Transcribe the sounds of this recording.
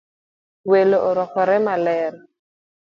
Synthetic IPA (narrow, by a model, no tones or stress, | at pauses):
weloʔoɾɔkɔɾɛmalɛːɾɔ